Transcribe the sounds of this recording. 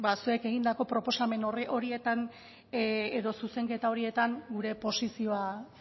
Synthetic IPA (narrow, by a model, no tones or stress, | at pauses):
basue̞ke̞ɣ̞ind̪ako̞pɾo̞po̞same̞noro̞ɾie̞t̪an | eðo̞suse̞ŋke̞t̪ao̞ɾie̞t̪aŋɡuɾe̞po̞sisio̞a